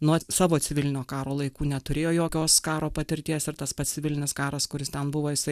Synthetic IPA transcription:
nuɔsɑːʋoːt͡s̪ʲɪʋʲɪlʲɪnʲoːkɑːɾoːlˠɐɪkuːnʲɛt̪ʊɾʲeːjoːjoːkʲoːskɑːɾoːpɐt̪ʲɪɾʲt̪ʲiɛsɪɾt̪ɐspɐt̪sʲt͡s̪ʲɪʋʲɪlʲɪnʲɪskɑːɾɐskʊɾʲɪst̪ʲɛnbʊʋoːjɪsɐɪ

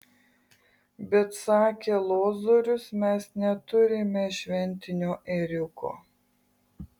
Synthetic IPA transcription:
bʲɛt̪sɑːkʲeːlˠoːzoɾʲʊsmʲɛsnʲɛt̪ʊɾʲɪmʲɛʃʲʋʲɛnʲˑt̪ʲɪnʲoːʔɛɾʲʊkʰo̰ː

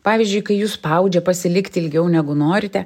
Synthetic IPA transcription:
pɑːʋʲiɪzʲd͡ʒʲʊɪjkɐɪjuːspɐʊd͡ʒʲɛpɐsʲɪlʲɪkt̪ʲɪlʲɡʲɛʊnʲæɡʊnoːɾʲɪt̪ʲɛ

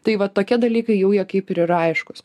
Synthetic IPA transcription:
t̪ɐɪʋɐtt̪ːoːkʲiɛd̪ɐlʲiːkɐɪjɛʊjɛkɐɪpɪɾɪɾɐɪʃkʊs

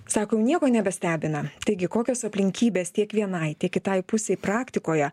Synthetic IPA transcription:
sɑːkojɛʊnʲiɛkoːnʲɛbʲɛsʲt̪ʲæːbʲɪnɐt̪ɐɪɡʲɪkoːkʲoːsɐpʲlʲɪŋʲkʲiːbʲeːst̪ʲiɛkʋʲiɛnɐɪt̪ʲiɛkʲɪt̪ɐɪpʊsʲeːɪpɾɑːkt̪ʲɪkoːjɛ

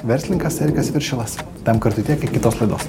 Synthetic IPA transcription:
ʋʲɛɾʲsʲlʲɪŋkɐsɛɾʲkʲɐsʋʲɪɾʲʃʲɪlˠɐs | t̪ʲɛmkɐɾt̪ʊt̪ʲiɛkɐɪkʲɪt̪oːslˠɐɪd̪oːs

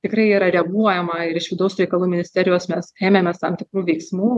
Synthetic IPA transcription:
t̪ʲɪkrɐɪiːɾɐɾʲɛɡuɔjɛmɐɪɾɪʃʋʲɪd̪ɐʊsɾʲɛɪkɐlˠuːmʲɪnʲɪsʲt̪ʲɛːɾʲɪjoːsmʲɛseːmʲemʲɛst̪ɐmt̪ʲɪkɾuːʋʲɛɪksmuː

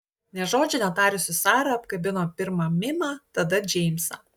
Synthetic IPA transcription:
nʲɛʒoːd͡ʒʲʊnʲɛt̪ɑːɾʲʊsʲɪsɑːɾɐɐpkɐbʲɪnoːpʲɪɾmɐmʲɪmɑːt̪ɐd̪ɐd͡ʒʲɛɪmʲsɐ

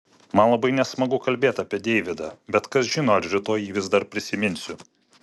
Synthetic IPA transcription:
mɐnlˠɐbɐɪnʲɛsmɐɡʊkɐlʲbʲeːt̪ɑːpʲiɛd̪ʲɛɪʋʲɪd̪ɐbʲɛt̪kɐsʒʲɪnoːɐʃɾʲɪt̪oːjiːʋʲɪzd̪ɐɾpʲɾʲɪsʲɪmʲɪnʲsʲʊ

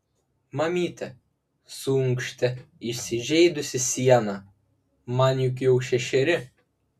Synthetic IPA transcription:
mɐmʲiːt̪ʲɛ | suŋkʃʲt̪ʲɛɪʃʲsʲɪʒʲɛɪd̪ʊsʲɪsʲiɛnɐ | mɑnʲjʊk̬jɛʊʃʲɛʃʲɛɾʲɪ

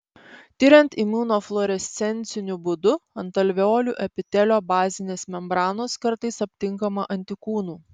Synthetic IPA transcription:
t̪ʲɪɾʲɛnʲt̪imuːnoːflˠɔɾʲɛsʲt̪sʲɛnʲˑt̪sʲɪnʲʊbʊd̪ʊɐnt̪ɐlʲʋʲoːlʲuʔɛpʲɪt̪ʲɛlʲoːbɑːzʲɪnʲeːsmʲɛmbɾɑːnoːskɐɾt̪ɐɪsɐpʲt̪ʲɪŋkɐmɐʔɐnʲt̪ʲɪkuːnuː

